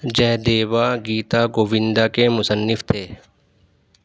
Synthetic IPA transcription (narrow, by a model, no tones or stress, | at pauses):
d͡ʒɛɦd̪eːʋaɡiːt̪aɡoːʋɪ̃nd̪akemʊsənːɪft̪ʰeː